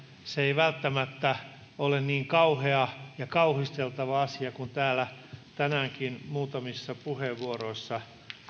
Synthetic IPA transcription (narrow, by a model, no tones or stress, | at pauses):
seeiʋælt̪ːæmæt̪ːæ | olenniːŋkɑuheɑjɑkɑuhist̪elt̪ɑʋɑɑsiɑkunt̪æːlæt̪ænæːŋkinmuːt̪ɑmisːɑpuheʋʋuoɾoisːɑ